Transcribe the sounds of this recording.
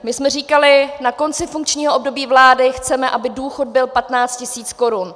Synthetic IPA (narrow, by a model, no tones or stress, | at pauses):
mɪsmɛriːkalɪnako̞nt͡sɪfuŋk̚t͡ʃɲiːɦoʔob̚do̞biːvlaːdɪxt͡sɛmɛʔabɪduːxo̞d̚bɪlpat̪naːt͡st̪̚cɪsiːt͡sko̞ɾun